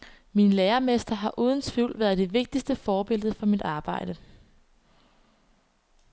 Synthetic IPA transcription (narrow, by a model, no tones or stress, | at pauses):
minleːɐmesd̥ɐɦɑ̈ʔuːð̞ˠn̩t͡sʰʋiʊ̰lʋæːɐð̩ˠd̥e̝ʋe̝ɡ̥̚d̥isd̥əfɒːb̥e̝l̰ð̞̩ˠfɒ̽mid̥ɑ̈ːb̥ɑ̈ɪ̰d̥ə